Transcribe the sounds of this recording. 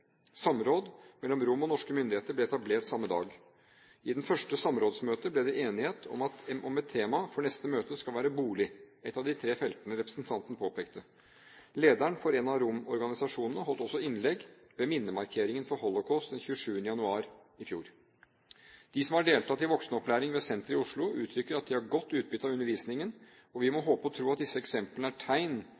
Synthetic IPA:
sɑmɾoːd̪mɛlːɔmɾʊmːɔnɔʂkəmʏnd̪ɪheːt̪əblɛɛt̪ɑbleːʈsɑmːəd̪ɑ̰ːɡ | ɪd̪ɛnfœʂʈəsɑmɾoːd̪smøːt̪əblɛd̪ɛʔeːnɪheːt̪ʰɔ̰mɑt̪ʔɔmɛt̪ʰːeːmɑfɔɳɛst̪əmøːt̪əskɑlʋæːɾəbuːlɪɛt̪ːɑʋd̪ɪt̪ʰɾeːfɛlt̪ənəɾɛpɾəsnt̪ʰɑnt̪ənəpʰoːpʰeːkt̪ə | leːd̪æɳfɔɾɛnɑɾʊmɔɾɡɑnɪsɑʂuːnənəɦɔlt̪ɔsːɔɪnlɛɡ | ʋɛmɪnːəmɑɾkʰeːɾɪŋənfɔɾɦɔlɔkʰɔːst̪d̪ɛnçʉːəʂʉːənəjɑnʉɑːɾ | ɪfjṵːɾ | d̪̥ɪsɔmhɑɖeːlt̪ɑt̪ɪʋɔksnəɔplæːɾɪŋʋɛsɛnt̪əɾɪʊʂɭʊʉːt̪ʰɾʏkːəɾɑt̪̚d̪ɪɑɾɡɔt̪ːʉːt̪̚bʏt̪ːɑʋʉnːəɾʋiːsnɪŋən | ɔʋɪmɔɦoːpəɔt̪ʰɾuːɑt̪̚d̪ɪsːəɛksɛmpəlnəæʈʰæɪn

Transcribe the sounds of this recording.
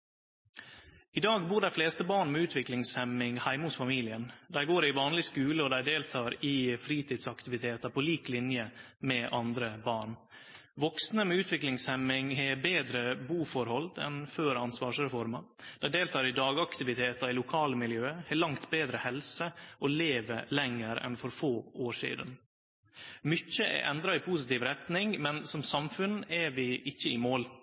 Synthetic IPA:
ɪd̪ɑːɡbuːɖæɪfleːst̪əbɑːɳmɛʉːt̪ʰʋɪklɪŋshɛmɪŋhæɪmʊːt̪fɑmiːlɪənd̪æɪɡoːɾɪʋɑːnlɪskʉːləɔd̪æɪd̪eːlt̪ʰɑːɾɪfɾiːt̪ʰiːd̪sɑkt̪ɪʋɪt̪ʰeːt̪ɑpʰɔliːklɪnjəmɛʔɑnd̪ɾəbɑːɳ | ʋɔksnəmɛʉːt̪ʰʋɪklɪŋshɛmɪŋhebeːd̪ɾəbuːfɔɾhɔld̪ɛ̰nføːɾɑnsʋɑːʂɾɛfɔɾmɑ | d̪̥ɛɪd̪eːlt̪ʰɑːɾɪd̪ɑːɡɑkt̪ɪʋɪt̪ʰeːt̪ɑɾɪlʊkʰɑːləmɪljøːəhɛlɑŋt̪beːd̪ɾəhɛlsəʔɔleːʋəɾlɛŋːəɾɛ̰nfɔɾfoːoːʂḭːd̪ən | mʏçəʔɛ̰ʔɛnd̪ɾɑɪpʰuːsɪt̪iːʋɾɛt̪nɪŋmɛnsɔmsɑmfʉnɛʋɪʔɪçːəɪmoːl

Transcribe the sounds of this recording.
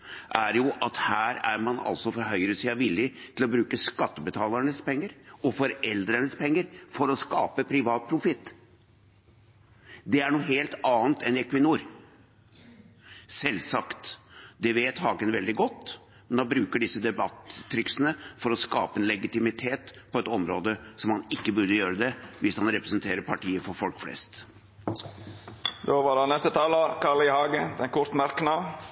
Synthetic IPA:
ʔæɾjʊʔɑt̪hæːɾæɾmɑnɑ̰lsɔfɔɦœʏɾəsiːɑʋɪlːɪt̪ʰɪlɔbɾʉːkəskɑt̪ːəbət̪ʰɑːləɳəspʰɛŋːəɾɔfɔɾɛld̪ɾəɳəspʰɛŋːəɾfɔɾɔskɑːpəpʰɾɪʋɑːt̪̚pʰɾʊfɪt̪ː | d̪ɛæɳuːɦeːlt̪ɑːnt̪ɛnɛkʰʋɪnuːɾ | sɛlsɑkt̪d̪ɛʋeːt̪hɑːɡənʋɛld̪ɪɡɔt̪ː | mɛnd̪ɑbɾʉːkəɖɪsːəd̪ɛbɑt̪ʰːɾɪksənəfɔɾɔskɑ̰ːpəɛnlɛɡɪt̪ɪmɪt̪ʰeːt̪pʰɔɛt̪ɔmɾoːd̪əsɔmhɑnɪkːəbʉɾd̪əjøːɾəd̪ɛʋɪshɑnɾɛpɾɛsnt̪ʰeːɾəpʰɑʈiːəfɔɾfɔlkflɛ̰st̪ | d̪oːʋɑɖɑnɛst̪ət̪ʰɑːlɑkʰɑləɪhɑːɡəd̪ɛnkʰɔɾt̪mæɾknɑ

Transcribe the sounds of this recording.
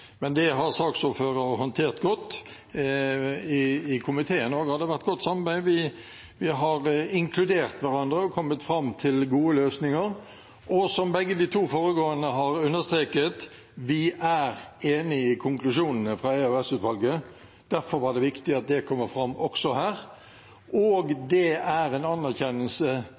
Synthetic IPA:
mɛnd̪ɛɦɑɾsɑːksɔføːɾəɔɦɔnt̪ʰeːʁt̪ɡɔt̪ː | ɪːkʰʊmɪt̪ʰeːənɔːɡəhɑd̪ɛʋæʁt̪̚ːɡ̥ɔt̪ːsɑmɑbæɪʋɪ | ʋɪɦɑɾɪŋkʰlʉd̪eːɾt̪ʋæɾɑnd̪ɾəɔkʰɔmːət̪fɾɑmːt̪ʰɪlɡuːəløːsnɪŋəɾ | ɔsɔmbɛɡːəd̪ɪt̪ʰuːfoːɾəɡoːənəɦɑʁʉnːəst̪ʁeːkət̪ | ʋɪʔæɾeːnɪɪkʰʊŋklʉʂuːnənəfʁɑeːʉɛsʉːt̪ʋɑlɡə | d̪̥æɾfɔɾʋɑd̪ɛʋɪkt̪ɪɑt̪̚d̪ɛkʰɔmːəɾfɾɑmːɔksɔhæːɾ | ʔoːɡd̪ɛæɾɛnɑnːæʁçɛnːəlsə

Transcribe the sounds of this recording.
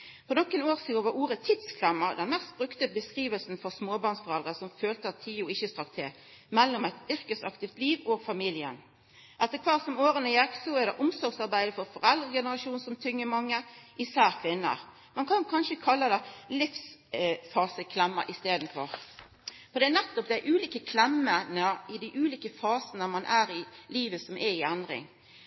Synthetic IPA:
pʰɔnɔkːənoːʁsiːoʋɑuːʁət̪ʰɪt̪skʰlɛmːəʁd̪ɛnmɛst̪̚bʁʉkt̪əbəskʁiːʋəlsn̩fɔʁsmoːbɑʁnsfɔʁɛld̪ʁəsɔmføːlt̪əɑt̪ʰiːʊɪçəst̪ʁɑk̚t̪ʰeː | mɛlːɔmæɪt̪ʏʁkəsɑ̰kt̪ɪft̪liːʋɔːɡfɑmiːlɪə̰n | ʔɛt̪ːəʁkʰʋɑːʁsɔmoːʁənəjɛksɔæʁd̪ɛ̰ʔʊmsɔʁɡsɑʁbæɪd̪əfɔʁfɔʁɛld̪ʁəɡɛnəʁɑʃuːnsɔmt̪ʰʏŋːəmɑŋːəʔɪsæːʁkʰʋɪnːə̰ɾ | mɑnkʰɑnkʰɑnʃəkʰɑlːəd̪ɛlɪfsfɑːsəkʰlɛmːə̰ʔɪst̪eːd̪n̩fɔʁ | fɔd̪ɛænɛt̪ːɔp̚d̪ɛæʔʉːliːkəkʰlɛmːənəɪd̪æʔʉːliːkəfɑːsənəmɑnʔæːɾɪliːʋəsɔmʔɛɪænd̪ɾɪ̰ŋ

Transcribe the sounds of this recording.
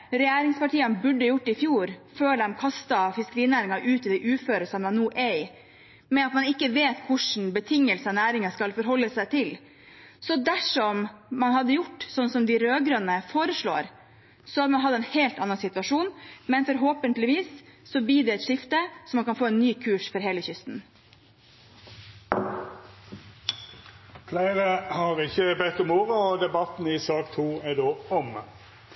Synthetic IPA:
ɾɛjæːɾɪŋspɑʈiːɑnbʉɖːəjʊʈːɪfjuːɾføːɾɛmkʰɑst̪ɑfɪskəɾiːnæːɾɪŋɑʔʉːt̪ɪd̪ɛʔʉːføːɾəlsɑnɛnuːʔɛɪ | mɛɑt̪mɑnɪkːəʋeːt̪kʰʊʂn̩bət̪ʰɪŋːəlsənæːɾɪŋɑskɑlfɔɾɦɔlːəsæɪt̪ʰɪl | sɔd̪æʂɔmmɑnhɑd̪ːəjʊʈːsɔnːsɔmd̪ɪɾøːɡɾœnːəfoːɾəʂɭo̰ːɾ | sɔɑt̪mɑnɦɑd̪ːəɛːnheːlt̪ɑnːɑnsɪt̪ʋɑʂuːnmɛnfɔɾɦoːpənt̪lɪʋiːsːɔb̪iːɖɛɛt̪ʂɪft̪əsɔmːɑnkʰɑnfoːɛnːyːkʰʉːʂfɔɾɦeːləçʏst̪n | flæɪʁəhɑʁɪçəbɛt̪ːɔmoːʋəɔd̪ɛbɑt̪n̩ɪsɑːkt̪ʰuːɛd̪oːɔm

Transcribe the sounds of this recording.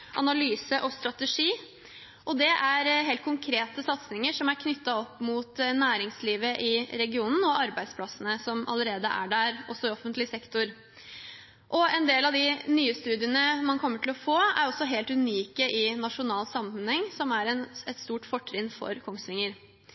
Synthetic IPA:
ʔɑ̰nɑlyːsəʔɔst̪ɾɑt̪əʂiː | ʔɔd̪ɛʔæɾɦeːlt̪̚kʰʊŋkʰɾeːt̪əsɑt̪snɪŋəʂɔmæɾkʰnʏt̪ːɑɔpːmuːt̪næːɾɪŋsliːʋəʔɪɾɛɡɪuːnn̩ɔʔɑɾbæɪd̪spʰlɑsənəsɔmɑ̰ləɾeːd̪əʔæ̰ɖæɾɔsːɔɪɔfənt̪lɪsɛkt̪ʊɾ | ʔɔɛnd̪eːlɑʋd̪ɪnyːəst̪ʉːd̪ɪənəmɑnkʰɔmːəʈʰɪlɔfoːæ̰ɾɔsːɔɦeːlt̪ʉniːkəʔɪnɑʂʊnɑːlsɑmːnənhɛŋːsɔmæɾɛnɛt̪st̪uːʈfɔʈʰːɾɪnfɔ̰ɾkʰɔŋst̪ʋɪŋəɾ

